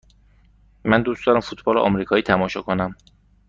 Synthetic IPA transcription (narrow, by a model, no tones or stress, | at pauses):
mænd̪uːsd̪ɒːɾæmfut̪ʰbɒːlḛʔɒ̰mɾiːkʰɒːiːt̪ʰæmɒːʃɒːkʰonæm